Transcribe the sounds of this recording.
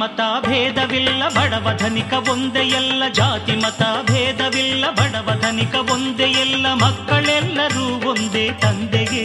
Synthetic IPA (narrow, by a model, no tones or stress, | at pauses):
ɐt̪aːbʱɛːd̪ɐʋilːɐbʱɐɽɐʋɐd̪ʱɐnikɐʋond̪ejɛlːɐd͡ʒaːt̪imɐt̪aːbʱɛːd̪ɐʋilːɐbʱɐɽɐʋɐd̪ʱɐnikɐʋond̪ejɛlːɐmɐkːɐɭɛlːɐɾuːʋond̪eːt̪ɐnd̪eɡe